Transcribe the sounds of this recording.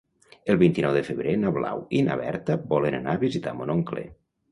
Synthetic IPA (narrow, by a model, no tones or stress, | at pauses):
əlˠβint̪inɔwðefəβɾenaβla̰wina̰βɛ̰ɾt̪əbɔlenanaβizit̪a̰monoŋklḛ